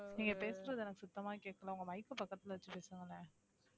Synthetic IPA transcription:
iŋɡɐpeːsɯɾɐðɯɛnɐkːɯ̥sʊt̪ːɐmaːkeːʈkːɐlãːʊŋɡɐʋɐɪkːɯpɐkːɐt̪ːɪlʋɐt͡ʃːɯpeːsɯŋɡɐlːɐ

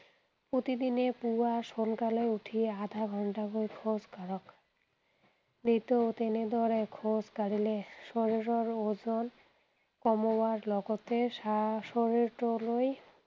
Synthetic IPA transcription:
pɾot̪id̪inepuaʃonkaleuʈʰiad̪ʱaɡʱɔɳʈaɦojkʰod͡ʑkaɾok | nit̪ot̪ened̪ɔɾekʰod͡ʑkaɽileʃoɾiɾoɾod͡ʑon | kɔmobaɾlɔɡot̪eʃaʃoɾiɾʈoloj

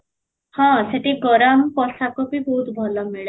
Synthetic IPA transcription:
hãseʈ̪ʰiɡɔɾamkɔsakobʱibʱɔut̪bʱɔlɔmeɭ

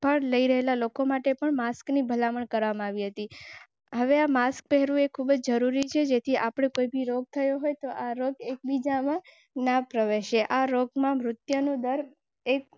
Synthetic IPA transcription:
pəɳləiɾəɦelalokomaʈepəɳmasknibʱəlaməɳkəɾʋamãaʋiɦət̪i | ɦəʋeamask̚pɛɦeɾũekʰubəd͡ʒd͡ʒəɾuɾit͡ʃʰed͡ʒet̪ʰiʔapɽ̃ekojbiɾoɡ̚t̪ʰəjoɦojt̪oʔaɾoɡek̚bid͡ʒamã | napɾəʋeʃeʔaɾoɡmãmɾʊt̪jənũd̪əɾ | ek̚

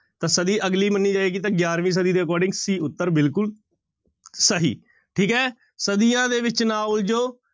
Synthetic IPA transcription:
t̪ãːsəd̪iːʔəɡliːmənːiːd͡ʒaːeːɡiːt̪ãːɡjaːɾʋĩːs̬əd̪iːd̪eːkɔːɾɖɪ̃ŋɡsiːʊt̪ːəɾbɪlkʊl | səɦḭː | ʈʰiːkɦɛː | səd̪ijãːd̪eːʋɪt͡ʃnaːʊld͡ʒoː

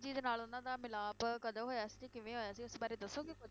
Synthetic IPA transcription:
d͡ʒiːd̪enaːlʊnãːd̪aːmɪlaːpkəd̪əʋɦoːjaːsiːd͡ʒeːkɪʋẽːɦoːjaːsiːʊsbaːɾeːd̪əsːoːɡɪ

